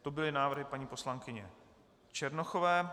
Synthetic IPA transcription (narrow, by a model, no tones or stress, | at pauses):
t̪obɪlɪnaːvrɦɪpaɲiːpo̞slaŋkɪɲɛ̰ | t͡ʃɛɾnoxovɛː